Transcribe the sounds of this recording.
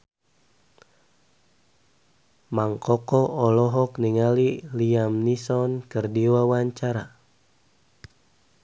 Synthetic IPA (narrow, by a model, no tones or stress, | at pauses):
maŋkɔkɔʔɔlɔɦɔkniŋaliliamnisɔnkɨrdiwawaɲt͡ʃaɾa